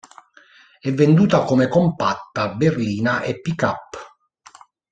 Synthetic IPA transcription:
ɛvːend̪uːt̪akɔmɛkɔmpat̪ːaberliːnaʔepːikapː

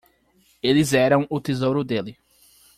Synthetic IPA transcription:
elɪzɛɾɐ̃w̃ʊt̪ezowɾʊd̪elɪ

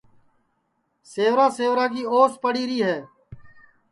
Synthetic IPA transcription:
seːʋɾãːseːʋɾaːkiːoːspəɽiːɾiːɦɛː

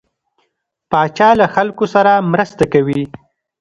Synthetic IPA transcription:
pɑt͡ʃɑlaxalkosaɾamɾəst̪akawi

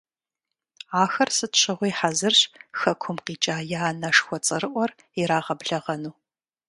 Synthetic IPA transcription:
aːxɐrsɨtɕɪʁʷiːħazɨrɕxɐkʷʰʊmqiːt͡ʃʼaːjaaːnɐʂxʷɔt͡sʼɐrɨʔʷɔr | iɾaːʁɐbɮɐʁɐnuː

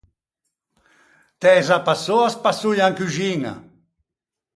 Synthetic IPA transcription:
t̪ɛzapasoaspasujaŋkyʒiŋa̰

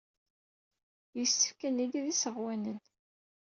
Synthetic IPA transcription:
jəsːə̥fkæniɡiðisəʁwænən

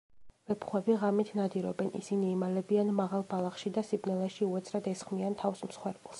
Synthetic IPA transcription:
v̥ɛpʰχwɛbiʁamit̪ʰnad̪iɾɔ̰bɛnʔḭsiniːmalɛbianmaʁalˠbalˠaχʃid̪asibnɛlɛʃiuɛt̪sʰɾad̪ɛsχmiant̪ʰafsmsχwɛɾbulˠs

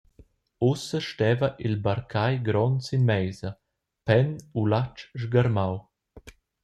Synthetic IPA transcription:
usəʃtɛːvɐʔilbaɾkʰajɡɾɔnsinmɛjzɐ | pɛnulat͡ʃʒɡaɾmaw

